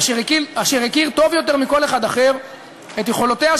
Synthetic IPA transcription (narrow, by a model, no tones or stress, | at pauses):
iʁekiaʃiʁekiʁt̪o̞vjo̞t̪e̞ʁmiko̞le̞χad̪aχeʁ | et̪jeχo̞lot̪ea